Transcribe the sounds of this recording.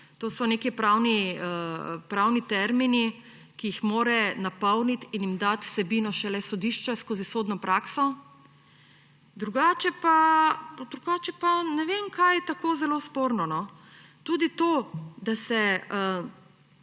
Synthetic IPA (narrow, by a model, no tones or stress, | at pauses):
t̪osɔnekipɾaːwniəpɾawnit̪ɛɾmini | kijixmoːɾɛnapɔwnit̪injimd̪at̪w̥sɛbiːnɔʃɛlɛsɔd̪iʃt͡ʃɛskoːzisoːd̪nɔpɾʔaːksɔ | d̪ɾuɡaːt͡ʃɛpad̪ɾuɡaːt͡ʃɛpanɛʋemkʰajt̪akoːzɛloːspoːɾnɔnɔ | t̪uːd̪it̪od̪asɛə